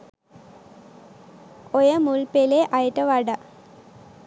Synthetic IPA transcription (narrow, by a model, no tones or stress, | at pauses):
ojɐmulpeleʔɐjɐʈːɐʋɐɽɐ